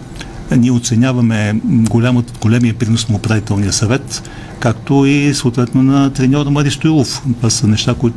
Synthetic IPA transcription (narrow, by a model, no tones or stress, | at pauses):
niɛot̪sɛnʲavɐmɛɡolʲaməɡ̥olʲɛmiəpɾinosnɐopɾavit̪ɛlˠnijəsɐvɛt̪ | kakt̪oisəoʊt̪vɛt̪nonɐt̪ɾɛnʲɔɾmɐɾist̪oilˠoft̪vasənɛʃt̪akoit̪